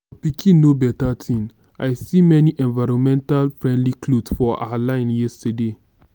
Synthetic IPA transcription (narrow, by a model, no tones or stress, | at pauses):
fɔpikʰĩnːobɛtatʰĩn | a̰jsimɛniʔɛ̃nvaɾɔ̃nmɛ̃ntalfɹɛ̃ndlikʰlodsfɔʔa̰lãɪ̃njɛstəde